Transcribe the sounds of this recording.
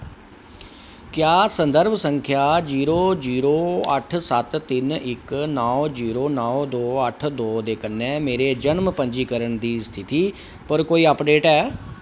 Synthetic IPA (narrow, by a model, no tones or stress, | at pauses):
kjaːsənd̪əɾbsəŋkʰjaːd͡ʒiːɾoːd͡ʒiːɾoːə̰ʈʰsət̪t̪ːɪnɪknɔːd͡ʒiːɾoːnɔːd̪oːəʈʰd̪oːd̪eːkənːɛːmeːɾeːd͡ʒənmpə̃ɲd͡ʒiːkəɾəɳd̪iːst̪ʰɪt̪iː | pəɾkoːiːəpɖeːʈɛː